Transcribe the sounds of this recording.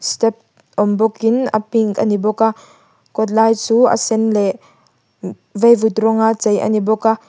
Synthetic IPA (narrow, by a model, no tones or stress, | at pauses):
stɛp̚ | ɔmbɔkina̰piŋka̰nibɔka | kɔt̪̬̚lajt͡suʔa̰sɛnlɛʔ | vejvut̪rɔŋat͡sejʔa̰nibɔka